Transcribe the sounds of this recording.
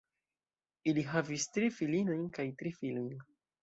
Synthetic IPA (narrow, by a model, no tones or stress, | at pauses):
iliɦavistɾifilino̞jnkajtɾifilojn